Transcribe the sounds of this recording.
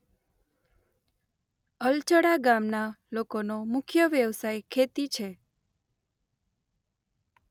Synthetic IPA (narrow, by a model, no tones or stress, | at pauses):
əlt͡ʃəɽaɡamnalokonomʊkʰjəʋjəʋsajkʰet̪it͡ʃʰe